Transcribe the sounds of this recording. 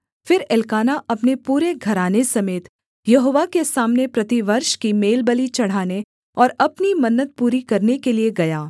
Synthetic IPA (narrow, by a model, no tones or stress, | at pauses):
fɪɾɪlkaːnaʔɐpnepuːɾeɡʱɐɾaːnesɐmeːt̪ | jɐɦoːʋakesaːmnepɾɐt̪iʋɐɾʃkimeːlbəlit͡ʃɐɽ̤aːne | ɔːɾɐpnimɐnːət̪̚puːɾikɐɾnekelieɡɐjaː